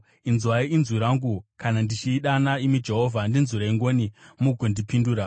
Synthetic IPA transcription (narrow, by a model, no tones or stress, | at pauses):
inzwaiinzuɾaŋɡukanandit͡ʃiːɗanaimid͡ʒe̞ɦovʱandinzuɾaiŋɡo̞nimuɡʱondipinduːɾa